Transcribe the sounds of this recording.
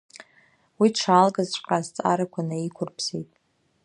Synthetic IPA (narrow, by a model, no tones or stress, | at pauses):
wiʈ͡ʂʰalɡazt͡ʃʷʼqʼazt͡sʼa̰ɾakʷʰanaikʷʰʊrpʰsejtʼ